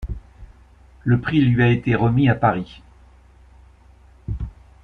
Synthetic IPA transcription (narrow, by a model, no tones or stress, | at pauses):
ləpχilɥiaet̪eʁəmiapaʁi